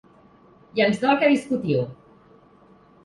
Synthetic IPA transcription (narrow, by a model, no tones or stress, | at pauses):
janzðɔkaðiskut̪iw